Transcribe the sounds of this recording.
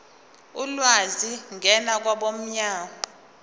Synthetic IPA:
ulwaziŋʱɛnak̬waɓom̩ɲaːma

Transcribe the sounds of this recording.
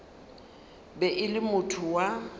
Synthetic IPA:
bɛʔɪlɪmʊtʰʊwa

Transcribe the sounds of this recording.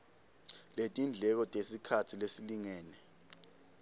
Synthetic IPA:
letʼind͡ɮʱɛk̬ɔtʼesikʰatʰilesiliŋɛːnɛ

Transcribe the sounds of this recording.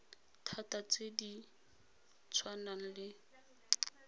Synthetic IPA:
tʰatat͡sʼedi | t͡sʰwanaŋ̩lɪ

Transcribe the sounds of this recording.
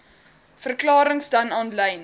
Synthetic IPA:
fərklɑːɾəŋsdɐnɑːnlɛjn

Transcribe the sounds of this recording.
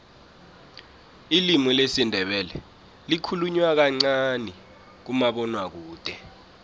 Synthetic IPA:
ilimɔlesindʱɛɓɛlɛ | likʰuluɲwak̬aŋ͡ǀani | k̬umaɓɔnwak̬uːd̥ʱʼɛ

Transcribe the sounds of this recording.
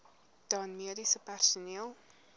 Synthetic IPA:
d̥ɑːnmiədisəpærsuniəlˠ

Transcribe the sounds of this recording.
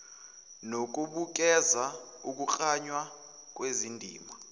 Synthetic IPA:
nok̬ʼuɓuk̬ɛza | uk̬uk͡xʼaɲwa | k̬ʼwezindʱḭːma

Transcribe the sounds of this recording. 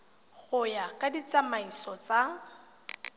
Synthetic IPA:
ɣʊjakʼadit͡samaisɔt͡sa

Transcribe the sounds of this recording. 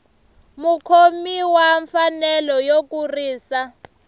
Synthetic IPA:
mukʰomiwaɱfanɛlɔjok̬ʼuriːsa

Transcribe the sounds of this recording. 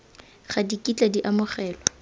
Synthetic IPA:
χadikʼit͡ɬʼadiʔamʊχɛːlɔ

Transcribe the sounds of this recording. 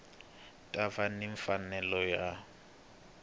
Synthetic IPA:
tʼavanɪɱfanɛlɔja

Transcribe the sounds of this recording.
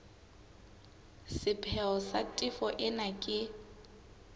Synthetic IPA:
sɪpʰɛɔsatʼɪfɔʔɪnakʼɪ

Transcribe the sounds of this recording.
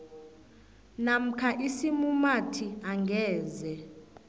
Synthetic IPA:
nam̩kʰaʔisimumatʰiaŋɡʱɛːzɛ

